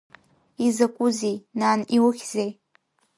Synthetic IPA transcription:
izakʷʼʊzejnaːniwʊxʲzej

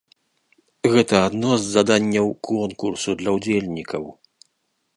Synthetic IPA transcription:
ɣɛt̪ɐad̪nɔzːad̪anʲːɐwkʰɔnkursud̪lʲɐwd͡zʲelʲnʲikɐw

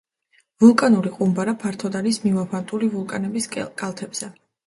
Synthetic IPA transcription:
vulˠkʼanuliqʼumbaɾapʰaɾt̪ʰɔd̪aɾismivapant̪ʼulivulˠkʼanɛbiskʼalˠt̪ʰɛbz̥ɛ

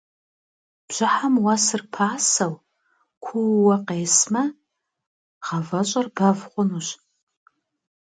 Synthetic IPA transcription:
b̥ʒ̥ʷaħamwasɨrpʰaːsaw | kʷʰuwːaqʼeːsma | ʁavaɕʷʼarbavχʷʊnuɕʷ

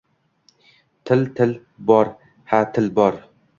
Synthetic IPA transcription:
t̪ʰɪlt̪ʰɪl | bɒɾ | hat̪ʰɪlbɒɾ

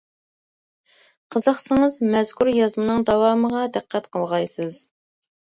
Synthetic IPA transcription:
qʰəzɑqsɨŋəzmɛz̥kʰʲuɾjɑzmɨnɨŋd̪ɑwɑːməʁɑd̪æqʰːɛt̪qʰəlˠʁɑjsɨz

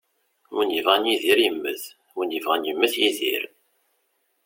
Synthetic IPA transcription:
wənəvʁænjiðiɾjəmːəθ | wənəvʁænjəmːəθjiðḭɾ

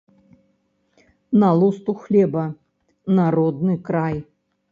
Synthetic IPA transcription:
nalˠust̪uxlʲɛbɐ | naɾɔd̪nɨkɾaj

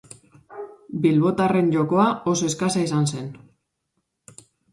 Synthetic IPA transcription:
bilβo̞t̪are̞nʝo̞ko̞aʔo̞soeskasaisanse̞n

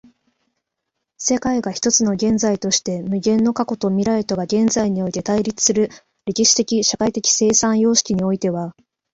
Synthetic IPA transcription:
se̞kaiɡaçi̥t̪o̞t͡sɨno̞ɡẽ̞nd͡zait̪o̞ɕi̥t̪e̞mɯ̟ɡẽ̞nːo̞kako̞t̪o̞mʲiɾaɾet̪o̞ɡaɡẽ̞nd͡zaiɲ̟io̞it̪e̞t̪aiɾʲit͡sɨ̥sɨɾɯ̟ | ɾʲe̞kʲiɕi̥t̪e̞kʲiɕakait̪e̞kʲi̥se̞ːsãɰ̃jo̞ːɕi̥kʲiɲ̟io̞it̪e̞βa

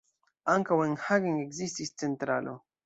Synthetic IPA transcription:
aŋkaweŋhaɡeŋekzist̪ist͡sent̪ɾalo

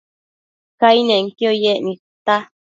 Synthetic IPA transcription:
kainẽŋkjojeʔnĩ | t̪a

